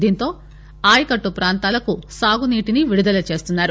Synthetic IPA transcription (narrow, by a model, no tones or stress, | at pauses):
d̪iːnt̪o̞ː | aːjikɐʈːupɾaːnt̪aːlɐkusaːɡuniːʈiniʋiɽud̪ɐlɐt͡ʃe̞ːst̪unːaːɾu